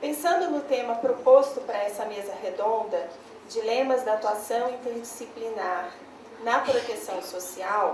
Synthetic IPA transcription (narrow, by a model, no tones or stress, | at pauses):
pẽsɐ̃nd̪ʊnʊt̪ẽmɐpɾopost̪ʊpaɾɐɛsɐmezɐɦed̪õnd̪ɐ | d͡ʒilẽmɐzd̪ɐat̪uasɐ̃w̃ĩnt̪eɾd͡ʒisiplinaɾ | nɐpɾot̪esɐ̃w̃sosiaw